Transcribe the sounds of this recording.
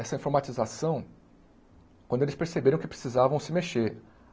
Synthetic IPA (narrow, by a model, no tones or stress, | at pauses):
ɛsɐĩfoɾmat͡ʃizasɐ̃w̃ | kwɐ̃nd̪ʊelɪspeɾsebeɾɐ̃w̃kɪpɾe̥sizavɐ̃w̃sɪmeʃeɾ